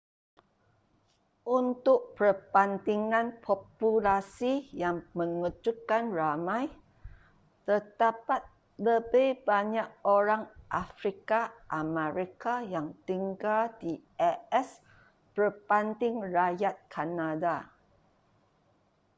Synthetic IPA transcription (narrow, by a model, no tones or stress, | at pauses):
ʔunt̪ʊʔ̚pərpant̪iŋãnpʰɔpulasijaŋmə̃ŋud͡ʒukkːanramãj | t̪ərd̪apat̪̚ | ləbejbaɲak̚oɾaŋʔafɾikaʔamə̃ɾikajaŋt̪iŋɡaldiɛɛs | pərpant̪ɪŋrajat̪̚kʰanada